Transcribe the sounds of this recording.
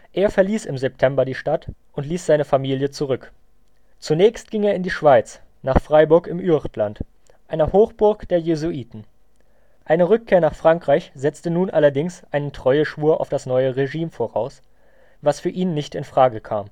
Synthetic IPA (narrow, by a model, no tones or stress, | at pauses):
ʔeːɐfɛɐliːsɪmzɛp̚tʰɛmbɐdiːʃtatʔʊntliːsz̥aɪnəfamiːljət͡suʁʏk | t͡sunɛːçst̚ɡ̥ɪŋeːɐɪndiːʃv̥aɪt͡s | naːχfʁ̥aɪbʊɐkɪmʔyʁtlant | ʔaɪnɐhoːxb̥ʊɐkd̥eːɐjezuʔiːtn̩ | ʔaɪnəʁʏkʰːeːɐnaːχfʁ̥aŋkʁ̥aɪçz̥ɛt͡stənuːnʔalɐdɪŋsʔaɪnəntʁ̥ɔʏəʃvuːɐʔa̰ʊfd̥asnɔʏəʁeʒiːmfoːʁa̰ʊs | vasfyːɐʔiːnːɪçtɪnfʁ̥aːɡəkʰaːm